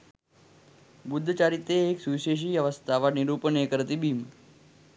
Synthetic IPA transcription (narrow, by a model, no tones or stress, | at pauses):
bud̪ʱːət͡ʃaɾit̪eːksuʋiʃeʃ̬ijəʋəst̪ʰaʋaniɾupənekəɾt̪ibim